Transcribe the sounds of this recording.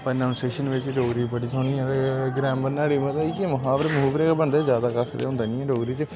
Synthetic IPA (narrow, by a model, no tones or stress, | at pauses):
pəɾnaʊnseːʃənʋɪt͡ʃɖoːɡɾiːbəɽiːsʰoːniːɛ̃t̪eɡɾɛ̃ːmbənaːɽiːmə̃t̪aikiməɦãːbəɾemɦuːbɾeːkːbənd̪eːzjaːd̪aːkəsɾḛːɦʊ̃nd̪aːnĩːɛːɖoːɡɾiːt͡ʃ